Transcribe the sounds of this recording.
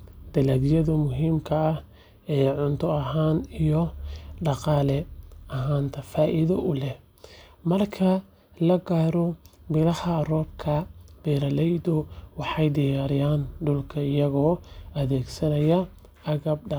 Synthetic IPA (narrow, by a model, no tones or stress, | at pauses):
d̪̥ɐlɐɡjɐðʊmʊɦiːmkʰɐːh | ɛːʕʊnt̪ʰɔɐɦaːnijɔɖɑqɑːlɛɐɦaːnt̪ʰɐfaːʔɪðɐʔʊlɛh | mɐrkʰɐ | lɐɡaːɾɔbɪlɐhɐrɔːb̚kʰɐb̥ɛːɾɐlɛjd̪ʊwɑħɑjd̪ɪjaːɾɪjaːnɖʊlkʰɐɪjɐɣɔːɐðɛːɡsɐnɐjɐ | ʔɐɣɐb̚ɖɑ